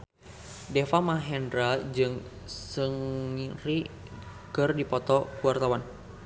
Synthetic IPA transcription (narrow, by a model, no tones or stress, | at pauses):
dɛfamaɦɛndɾad͡ʒɨŋ | səŋiɾi | kɨrdipɔt̪ɔkuart̪awan